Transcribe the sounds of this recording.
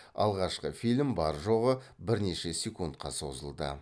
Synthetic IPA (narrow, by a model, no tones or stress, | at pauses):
ɑ̰lˠʁɑʃqəfilʲmbɑɾʒo̞ʁəbɪɾne̞ʃesʲekunt̪̚qɑso̞zəlˠd̪ə̰